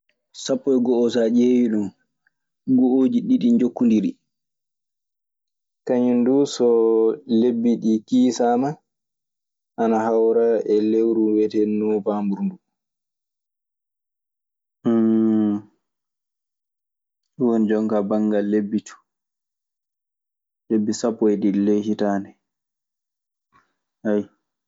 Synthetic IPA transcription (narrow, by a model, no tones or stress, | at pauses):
sapːɔjɡɔɔsad͡ʒewiɗum | ɡɔod͡ʒiɗiɗind͡ʒokːundiɾi | kaɲundusɔlebːiɗikiːsama | ʔanahawɾaɛlewɾuwɛtɛnɔvambuɾndu | wonid͡ʒɔŋkabaŋɡalebːitʰu̥ | lebːisapːɔɛdilːɛhitaːnɛ | ʔaj